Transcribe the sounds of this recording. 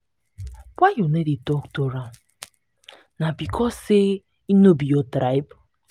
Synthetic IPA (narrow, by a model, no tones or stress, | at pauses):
waonedidɔktoɾam | nabikʰɔse | inobijɔtɾaɪb